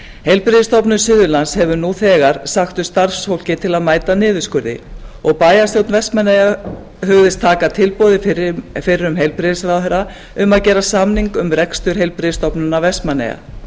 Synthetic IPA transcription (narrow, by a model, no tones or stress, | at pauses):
hejlpɾɪðɪst̪ɔwpnʏsɪðʏɾlanshɛvʏnuθɛːɣaɾ̥saxt̪ʏst̪arfsfowl̥cɪt̪ʰɪlaðmaːjt̪anɪːðʏskʏɾðɪ̰ɔɣpaːjast̪jowt̪nvɛsmanːeja | ɦœvʏvɪst̪ʰːaːkat̪ʰɪlpɔwðɪfɪɾɪɾʏmɦejlpɾɪðsɾaðɦɛɾa | ʏmaðcɛːɾasamniŋkʏmrɛkst̪ʏɾ̥hejlpɾɪðɪst̪ɔwpnʏnavɛsmanːḛja̰